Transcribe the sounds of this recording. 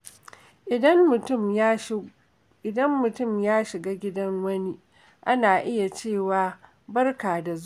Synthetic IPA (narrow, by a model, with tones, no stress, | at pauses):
ʔɪ˨ɐ˦mʊ˨ʊ˦˨m | ɪ˨dɐ˦mːʊ˨tʊ˦˨mjaː˦ʃɪ˨ɡaː˦ɡʲɪ˦dɐ˦ŋwɐ˦ni˦ʔ | ʔa˦naː˨ʔɪ˦ja˨t͡ʃeː˦˨waː˨ | bɐ˦rkaː˨da˨z